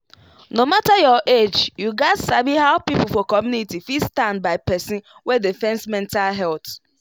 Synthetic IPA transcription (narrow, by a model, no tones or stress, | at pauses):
nomatajɔʔed͡ʒjuɡatsabiɦaʊpipufɔkɔmjunitifistãndbaɪpɛsĩnwedifɛ̃nsmɛ̃ntalɦɛlt